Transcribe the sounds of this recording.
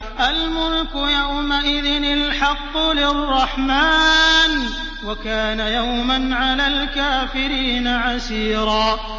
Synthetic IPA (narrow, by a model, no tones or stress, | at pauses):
ʔalmʊlkʊjawmaʔɪðɪnɪlħɑqːʊlɪrˤːɑħmaːn | wakaːnajawmanʕalaːlkaːfɪɾiːnaʕasiːɾˤɑː